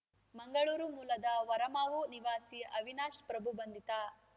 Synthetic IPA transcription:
mɐŋɡɐɭuːɾumuːlɐd̪ɐʋɐɾɐmaːʋuniʋaːsiɐʋinaːʃpɾɐbʱubɐnd̪ʱit̪aː

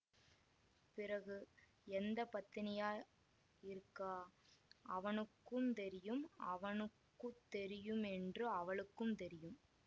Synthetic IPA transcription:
pɪrɐɣɯ | ɛnd̪ɐpɐt̪ːɪnɪjaː | ɪɾɯkːaːʔɐʋɐnɯkːɯmt̪ɛɾɪjɯmɐʋɐnɯkːɯt̪ːɛɾɪjɯmɛndrɯɐʋɐɭɯkːɯmt̪ɛɾɪjɯm

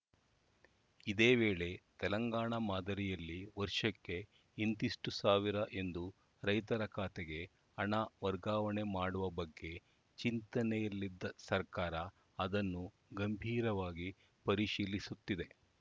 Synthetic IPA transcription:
id̪e̞ːʋe̞ːɭe̞t̪ɛlɐŋɡaːɳɐmaːd̪ɐɾijɐlːiʋɐɾʂɐkːe̞ | ind̪iʂʈusaːʋiɾɐʔend̪u | ɾɐjt̪ɐɾɐkʰaːt̪eɡe̞ | ɐɳɐʋɐɾɡaːʋɐɳe̞maːɽuʋɐbɐɡːe̞ | t͡ʃint̪ɐnɛjɐlːid̪ːɐsɐɾkaːɾɐ | ɐd̪ɐnːu | ɡɐmbʱiːɾɐʋaːɡi | pɐɾiʃiːlisut̪ːid̪e̞

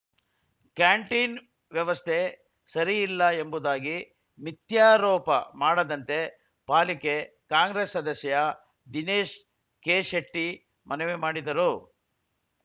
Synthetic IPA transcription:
kjaːɳʈiːn | ʋjɐʋɐst̪ʰe | sɐɾiːlːɐembud̪aːɡi | mit̪jaːɾɔːpɐmaːɽɐd̪ɐnt̪e̞ | paːlike | kaːŋɡɾesːɐd̪ɐsjɐjɐ | d̪ineːʃ | keːʃeʈːi | mʔɐnɛʋemaːɽid̪ɐɾu

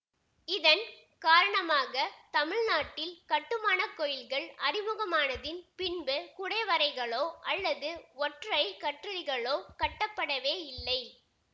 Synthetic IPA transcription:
ɪðɐn | kaːɾɐɳɐmaːɣɐt̪ɐmɪɻnaːʈːɪlkɐʈːɯmaːnɐkːɔjɪlɣɐɭɐɾɪmɯɣɐmaːnɐðɪnpɪnbɯkʊɽɐɪʋɐɾɐɪɣɐɭoːʔɐlːɐðɯɔʈrɐɪkɐʈrɐlɪɣɐɭoːkɐʈːɐpːɐɽɐʋeːɪlːɐɪ

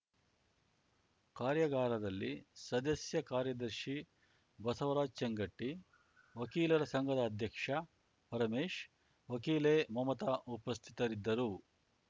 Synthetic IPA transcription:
kaːɾjɐɡaːɾɐd̪ɐlːḭsɐd̪ɐsjɐkaːɾjɐd̪ɐɾʃi | bɐsɐʋɐɾaːd͡ʒt͡ʃɐŋɡɐʈːi | ʋɐkiːlɐɾɐsɐŋɡɐd̪ɐːd̪ʱjɐkʂɐ | pɐɾɐmeːʂ | ʋɐkiːleːmɐmɐt̪ɐʔupɐst̪ʰit̪ɐɾid̪ːɐɾu

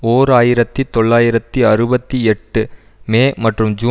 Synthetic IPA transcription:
oːɾaːjɪɾɐt̪ːit̪ɔɭːaːjɪɾɐt̪ːiɐɾɯbɐt̪ːiɛʈːɯ | meːmɐʈrɯmd͡ʒuː

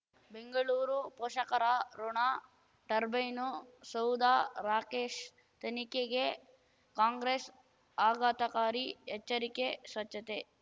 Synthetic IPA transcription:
beŋɡɐɭuːɾupoːʂɐkɐɾaɾoɳaː | ʈɐɾbɐjnosɐwd̪aːɾaːkeːʃ | t̪ɐnikeɡe | kaːŋɡɾes | aːɡaːt̪ɐkaːɾiɛt͡ʃːɐɾikesʋɐt͡ʃːɐt̪e

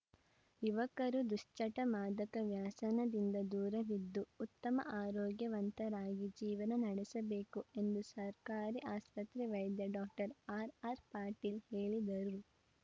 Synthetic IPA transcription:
iʋɐkɐɾud̪uʂt͡ʃɐʈɐmaːd̪ɐkɐʋjaːsɐnɐd̪ind̪ɐd̪uːɾɐʋid̪ːuːt̪ːɐmɐ̰ʔaːɾɔːɡjɐʋɐnt̪ɐɾaːɡid͡ʒiːʋɐnɐnɐɽɛsɐbe̞ːkue̞nd̪usɐɾkaːɾiʔaːspɐt̪ɾiʋɐjd̪jɐɖɔːk̚ʈɐɾaːɾaːɾpaːɾʈiːlheːɭid̪ɐɾuu

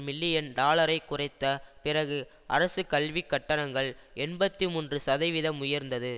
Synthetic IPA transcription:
mɪlːɪjɐnɖaːɭɐɾɐɪkːʊrɐɪt̪ːɐpɪrɐɣɯ | ʔɐ̰ɾɐsɯkɐlʋikːɐʈːɐnɐŋɡɐɭɛnbɐt̪ːimuːndrɯsɐðɐɪʋɪðɐmːʊjɐɾnd̪ɐðɯ

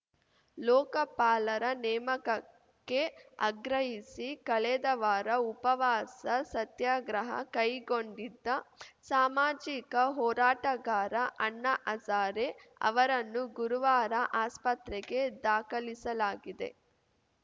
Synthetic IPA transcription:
lɔːkɐpaːlɐɾɐnɛːmɐkɐ | kːe̞ɐ̰ɡɾɐɦisikɐɭɛd̪ɐʋaːɾɐupɐʋaːsɐsɐt̪jaːɡɾɐɦɐ̰kɐjɡoɳɖid̪ːɐsaːmaːd͡ʒikɐɦɔːɾaːʈɐɡaːɾɐʔɐɳːɐʔɐsaːɾeɐ̰ʋɐɾɐnːuɡuɾuʋaːɾɐʔaːspɐt̪ɾɛɡe̞d̪aːkɐlisɐlaːɡid̪ḛ

